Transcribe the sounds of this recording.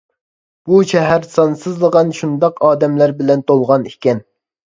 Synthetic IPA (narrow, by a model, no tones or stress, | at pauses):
b̥uʃɛɦæɾsɑnsɨzlˠəʁɑnʃund̪ɑqʰɑːd̪ɛmlæɾbɪlɛnt̪ʰolˠʁɑnikʲɛn